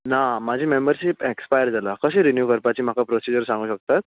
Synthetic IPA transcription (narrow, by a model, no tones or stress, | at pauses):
namad͡ʑʱiːmembəɾɕipekspajəɾd͡zalakəseːɾinjukəɾpat͡ɕiːm̤akapɾosid͡ʑəɾsãŋɡuːɕək̚t̪at̪̚